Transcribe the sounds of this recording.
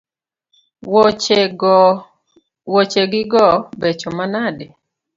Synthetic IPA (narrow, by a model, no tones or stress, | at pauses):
wot͡ʃeɡɪɡɔbet͡ʃɔmanadɪ